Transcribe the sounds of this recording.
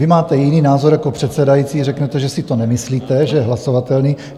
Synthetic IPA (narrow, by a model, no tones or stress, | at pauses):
vɪmaːt̪ɛjɪniːnaːzoɾjako̞pr̝̥ɛt̪sɛdajit͡siːrɛknɛt̪ɛʒɛsɪt̪onɛmɪsliːt̪ɛʒɛɦlasovat̪ɛlniː